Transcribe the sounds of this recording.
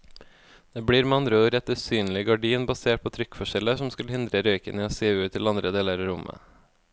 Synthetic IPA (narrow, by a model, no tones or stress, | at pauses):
d̪̥eːbɽiːɾmɑnɾoːɾɛt̪əsyːnlɪɡɑɖiːnbɑseːʈ̚pʰoːt̪ʰɾʏkfɔʃɛləsɔmskʉlhɪnd̪ɾəɾœʏkənəoːseːʉːt̪ʰːɪlɑnd̪ɾəd̪eːləɾɑɾʊmʔə̰